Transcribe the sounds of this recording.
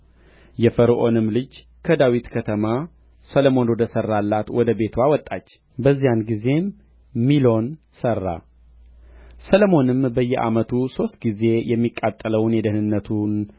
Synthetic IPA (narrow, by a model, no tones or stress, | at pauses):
jɛfəɾʔonɨmlɨd͡ʒ | kʰəd̪awit̪kʰət̪ʰəma | sələmo̞nwɔd̪əsərːalːat̪wɔd̪əbe̞t̪ʰwawɔt̪ʼːat͡ʃː | bəzːijanɡize̞m | milo̞n | sərːa̰ | sələmo̞nɨmbəjːɛʔa̰mət̪ʰuso̞st̪ɡize̞jɛmːikʼːat̪ʼːələwnjɛd̪əhnɨnːət̪ʰun